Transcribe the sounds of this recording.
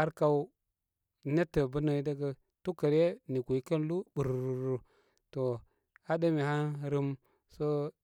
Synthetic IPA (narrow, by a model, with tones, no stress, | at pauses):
a˦ɾka˦u˦ | ne˦tːə˨bu˦na˨i˦da˦ɡa˨ | tu˦kə˨ɾe˦ni˨ɡu˨i˦kə˦n˦lu˦bu˨ɾu˨ɾu˨ɾu˦ | to˨ | a˦da˦mi˨ha˦nɾi˦m | so˦